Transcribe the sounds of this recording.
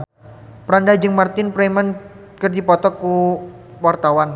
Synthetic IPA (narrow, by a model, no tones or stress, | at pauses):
pɾandad͡ʒɨŋmart̪ɪnpɾeman | kərdipɔt̪ɔkːu | wart̪awan